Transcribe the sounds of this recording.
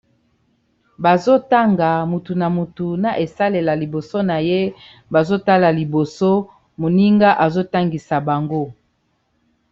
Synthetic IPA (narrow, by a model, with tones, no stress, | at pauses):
ba˨zo˦ta˦ŋɡa˨mu˨tu˨na˨mu˨tu˨na˨ʔe˨sa˦le˨la˨li˨bo˨so˦na˨je˦ | ba˨zo˦ta˦la˨li˨bo˨so˦ | mo˨ni˦ŋɡa˦ʔa˨zo˦ta˦ŋɡi˨sa˨ba˨ŋɡo˦